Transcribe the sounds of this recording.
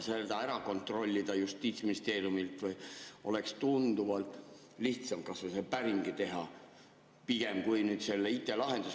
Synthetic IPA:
sed̪̥ɑæɾɑko̞nt̪ˑro̞lʲːid̪̥ɑjust̪iːt̪sminist̪e̞ːɾijumilt̪vɯjo̞̰le̞kst̪und̪uvɑlt̪ˑ | liht̪sɑmkɑsvesepæɾimɡ̥it̪e̞ɦɑ | piɡ̥e̞mkujnyːd̪se̞lːeit̪ːˑe̞lɑɦe̞nd̪us

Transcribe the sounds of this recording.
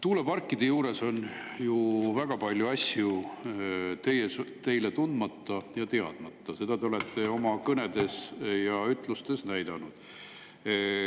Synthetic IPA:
t̪uːle̞pɑrkːˑid̪̥ejuːɾe̞so̞njuvæɡ̥ɑpɑlʲjuɑsju | t̪e̞jest̪e̞jle̞t̪und̪mɑt̪ːɑjɑt̪e̞ɑ̰d̪̥mɑt̪ːˑɑse̞d̪̥ɑd̪e̞o̞le̞t̪ˑːe̞o̞mɑkɤne̞d̪̥e̞sjɑyt̪ˑlust̪e̞snæjd̪̥ɑnud̪̥

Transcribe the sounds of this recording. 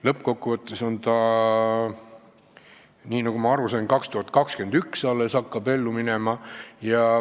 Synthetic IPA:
lɤpko̞kːuvɤt̪ːˑe̞so̞nt̪ɑ | niːnɑɡ̥umɑɑɾusɑjnkɑkst̪uhɑt̪̚kɑkske̞nd̪̥yksɑlːesɑkːɑbe̞lːuminemɑjɑ

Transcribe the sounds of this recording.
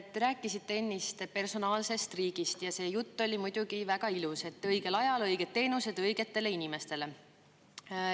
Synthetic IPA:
t̪ːe̞ɾæːkːˑisit̪ːe̞enːist̪pe̞rso̞nɑːlse̞st̪riːɡ̥ist̪jɑse̞ːjut̪ːo̞lʲimujd̪̥uɡ̥ivæɡɑiluse̞t̪ːˑɤjɡ̥e̞lɑjɑlɤjɡ̥et̪̚t̪ːe̞ːnuse̞d̪̥ɤjɡ̥e̞t̪ːe̞le̞inʲime̞st̪e̞le̞

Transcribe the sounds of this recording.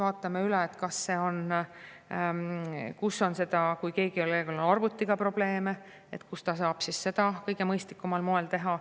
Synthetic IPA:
vɑːt̪ːˑɑmeyleːt̪kɑsːe̞ːo̞n | kusːo̞nse̞d̪̥ɑkujke̞ːɡ̥iolekelonɑrvut̪ːiɡ̥ɑpro̞b̥le̞ːme̞ | et̪kust̪ɑsɑːb̥sisse̞d̪̥ɑkɤjɡ̥e̞mɤjst̪likːˑumɑlmoe̞lt̪e̞ɦɑ

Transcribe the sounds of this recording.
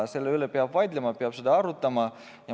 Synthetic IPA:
se̞lːeylepeɑb̥vɑjd̪lemɑpeɑb̥sed̪ɑɑɾut̪ːˑɑmɑ | jɑ

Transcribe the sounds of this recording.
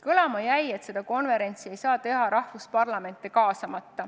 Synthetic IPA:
kɤlɑmɑjæje̞t̪se̞d̪̥ɑko̞nve̞ɾe̞nt̪sie̞jsɑːt̪e̞ɦɑɾɑhvuspɑrlɑme̞nt̪ːˑekɑːsɑmɑt̪ːɑ

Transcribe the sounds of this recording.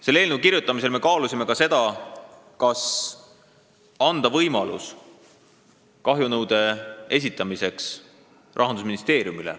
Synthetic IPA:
se̞lːeːlnukiɾjut̪ːˑɑmis̬e̞lme̞kɑːlusʲime̞kɑse̞d̪̥ɑ | kɑs | ɑnd̪̥ɑvɤjmɑlṵs | kɑɦjunɤwd̪̥e̞e̞s̬ʲit̪ːˑɑmise̞ks | rʔɑɦɑnd̪us̬minist̪e̞ːɾjumilḛ

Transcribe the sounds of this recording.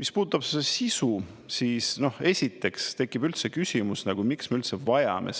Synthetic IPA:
mispu̥ːt̪ːˑɑpseesisu | siːsno̞he̞sʲit̪ːˑe̞kst̪e̞kːˑib̥ylt̪se̞kysʲimusnɑɡ̥umiksme̞ylt̪sevɑjɑ̰mḛ

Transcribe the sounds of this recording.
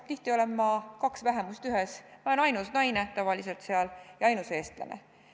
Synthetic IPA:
t̪iht̪io̞le̞mːɑkɑksvæɦe̞must̪yɦesmɑlenɑjnusnɑjne̞t̪ɑvɑlise̞lt̪seɑljɑɑjnuse̞ːst̪lɑ̰nḛ

